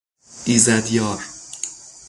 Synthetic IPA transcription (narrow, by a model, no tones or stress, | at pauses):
ʔiːzæd̪jɒːɾ